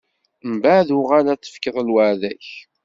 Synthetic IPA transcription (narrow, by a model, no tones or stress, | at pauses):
mbaðʊʁælæt͡sːə̥fkəðˤəlwəʕðæç